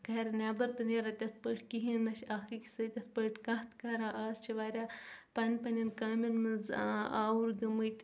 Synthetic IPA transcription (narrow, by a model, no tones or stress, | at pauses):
kɐɐɾʲɐnʲaːbɐɾt̪ɨneɾɐt̪ʲɐspəːʈʰʲkiɦiːnːɐʃakɐkʲi̥sɨːt̪ʲɐspəːʈʲʰkɐht̪kɐɾãːʔaːst͡ʃʰiʋaːɾʲaːpɐnʲpɐnʲɐnkaːmʲɐnmɨnzaːwuɾɡɐmɨjt̪ʲ